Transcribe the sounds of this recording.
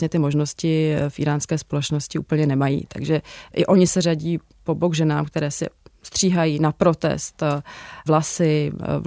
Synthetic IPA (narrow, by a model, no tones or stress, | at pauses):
ɲɛt̪ɪmo̞ʒno̞scɪfʔḭːɾaːnskɛːspo̞lɛt͡ʃno̞scɪṵːpl̩ɲɛnɛmajḭːt̪ʰa̰ɡʒɛʔɪʔo̞ɲɪsɛraɟiː | po̞boɡʒɛnaːmkt̪ɛɾɛːsɪ̰st̪r̝̥iːɦajiːnapɾo̞t̪ɛ̰st̪vlasɪ